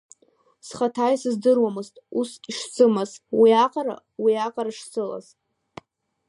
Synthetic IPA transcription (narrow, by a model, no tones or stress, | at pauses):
sχatʰajsɨzdɨrwamɨztʼusʲʼiʂt͡sʰɨmazwiaqʼaɾa̰ | wiaqʼaɾaʂt͡sʰɨla̰z